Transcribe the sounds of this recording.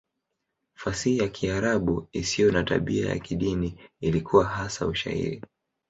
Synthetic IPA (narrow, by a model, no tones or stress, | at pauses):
fasiijakʰiaɾaɓuisijɔnata̰ɓia̰ja̰kiɗiniilikʰuwaɦasauʃa̰hḭɾi